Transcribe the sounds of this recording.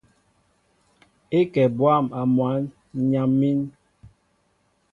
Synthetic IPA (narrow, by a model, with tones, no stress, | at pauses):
e˦kɛ˨bwa˦˨ma˨mwa˨˦n | ɲa˨mːi˦n